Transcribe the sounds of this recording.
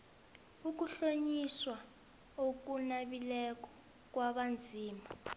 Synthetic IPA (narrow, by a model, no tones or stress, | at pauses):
uk̬uɬoɲiswa | ok̬unaɓilɛk̬ʼɔ̥ | k̬ʼwaɓand͡zʱiːma